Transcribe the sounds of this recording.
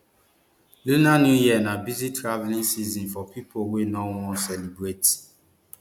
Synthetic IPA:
lunanjujianabizitɾavlĩnsizɔ̃nfɔpipʰowenɔwɔ̃sɛlibɹet

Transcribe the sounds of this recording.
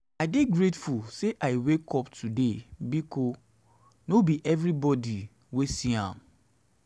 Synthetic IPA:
aɪdeɡɹetfulseʔaɪwekʰɔptʰudebiko | nobiʔɛvɾibɔdi | wesiã̰m

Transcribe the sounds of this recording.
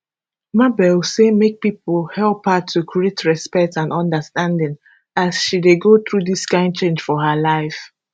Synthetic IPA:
mabɛlsemek̚pipəlˠhɛlˠphətʰukʰɹietʰɹɛspɛk̚tãnɔ̃ndəstãndɪ̃ŋ | asʃideɡoθɹuðiskãɪ̃nt͡ʃẽnd͡ʒ̥fɔhəlaɪf

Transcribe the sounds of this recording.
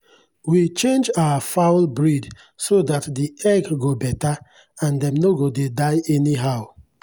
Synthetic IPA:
wit͡ʃẽnd͡ʒawafaʊlbɹid | sodatdiɛɡɡobɛta | ãndɛ̃mnoɡodedaɪɛniɦaʊ

